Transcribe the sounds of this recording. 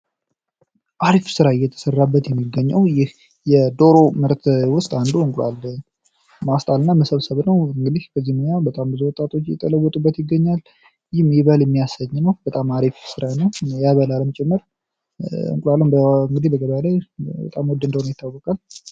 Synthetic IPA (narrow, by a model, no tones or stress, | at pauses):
ʔaɾifsɨɾaɪjɛt̪ʰə̥sərːabːət̪jɛmːiɡːəɲːəwjɪh | jɛd̪o̞ɾomɨɾt̪ʰwʊst̪ʼand̪uɨŋkʼlʷwa̰lː | mast̪ʼalɨnːaməsəβsəβnəwɨŋɡɨd̪ihkʰəzːihmojabət̪ʼambɨzuwɔt̪ʼːat̪ʰʼo̞t͡ʃːjɛ̰t̪ʼələwːɔt̪ʼubːət̪jɪɡːəɲːal | jɪmjɪβəljɛmːijasəɲːnəwb̥ət̪ʼamaɾifsɨɾajnəwjaβəlaləmət͡ʃʼɛmːəɾ | ɨ̰ŋkʼlwalːənbəɨŋɡɨd̪ibəɡəβalajbə̰t̪ʼamwɔd̪ːɨnd̪əwnojɪt̪ːawːɔkʼal